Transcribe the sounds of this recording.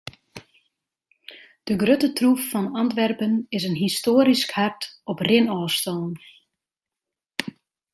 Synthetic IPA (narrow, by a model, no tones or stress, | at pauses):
d̥əɡrøtətrufːɑnɑntʋɛrpənɪsənɦistoːəɾiskhartɔprɪnɔːstɔlˠn